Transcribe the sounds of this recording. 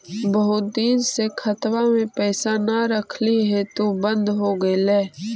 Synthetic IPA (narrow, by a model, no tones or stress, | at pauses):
bəɦʊt̪̚d̪iːnsekʰət̪wamẽpɛːsanaɾəkʰliɦɛt̪obə̃nd̪ɦoɡəlɛː